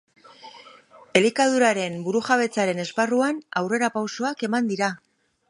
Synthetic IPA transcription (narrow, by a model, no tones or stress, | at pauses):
e̞likað̞uɾaɾe̞mbuɾuʝaβ̞e̞t͡saɾe̞ne̞sparuanawre̞ɾapawso̞ake̞mand̪iɾa